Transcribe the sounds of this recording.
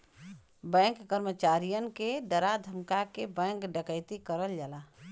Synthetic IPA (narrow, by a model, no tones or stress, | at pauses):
bɛ̃ŋkːəɾmət͡ʃaɾijənkeɖəɾad̪ʱəmkakebɛ̃ŋkɖəkəɪt̪ikəɾəld͡ʒala